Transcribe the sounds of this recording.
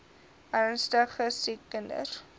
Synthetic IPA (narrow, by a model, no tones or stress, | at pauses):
ərnstəχəsikːəndə̰r